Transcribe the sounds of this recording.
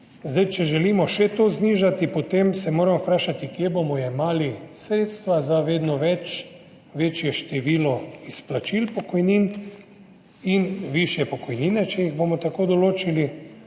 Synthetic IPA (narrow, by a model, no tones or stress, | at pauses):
zd̪ajt͡ʃɛʒɛliːmɔʃɛt̪oːzniːʒat̪ipot̪emsɛmoːɾampɾaːʃat̪ikjebomɔjɛmaːlisɾeːt̪st̪ʋazaʋeːd̪nɔʋɛt͡ʃ | ʋeːt͡ʃjɛʃt̪ɛʋiːlɔisplat͡ʃilpɔkɔjniːn | inʋiʃjɛpɔkɔjniːnɛt͡ʃɛjiɣbomɔt̪akoːd̪ɔloːt͡ʃili